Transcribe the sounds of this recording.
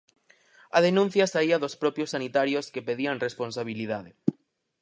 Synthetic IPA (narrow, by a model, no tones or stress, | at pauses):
að̞enũn̟θjɐsaiɐðospɾɔpɾjosanit̪aɾjoskepeðiaŋresponsaβ̞iliðaðe